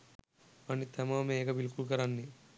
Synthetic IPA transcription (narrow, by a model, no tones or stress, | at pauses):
ɐnːit̪ʰɐmameːɡɐbilkulk̬ɐɾanːi